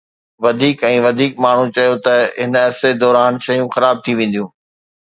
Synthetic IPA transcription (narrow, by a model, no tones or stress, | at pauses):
ʋɐd̪ʱiːkɛ̃ːʋɐd̪ʱiːkmaːɳ̤ũt͡ɕɐjot̪ɐɦɪnɐsed̪ɔːɾaːnʃɐjũxɐɾaːb̚t̪ʰiʋẽːn̆d̪ijũː